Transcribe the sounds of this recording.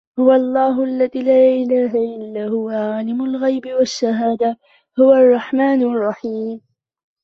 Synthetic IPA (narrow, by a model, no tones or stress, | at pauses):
hʊwaʔɑlˤːɑːɦʊʔalːaðiːlaːʔɪlaːɦaʔɪlːaːhʊwaʕalɪmʊlɣajbɪwaʃːaɦaːd̪a | hʊwaʔɑrˤːɑħmaːnrˤːɑħiːm